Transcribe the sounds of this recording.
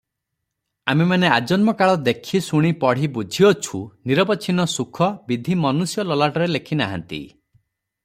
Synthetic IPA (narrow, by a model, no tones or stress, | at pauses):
amimanead͡ʒɔnmɔkaɭɔd̪ekʰisuɽ̃ipɔɽ̤ibud͡ʒʱiɔt͡ʃʰuniɾɔbɔt͡ʃʰinɔsukʰɔbid̪ʱimɔnusjɔlɔlaʈɔɾelekʰinaɦa̰nt̪ḭ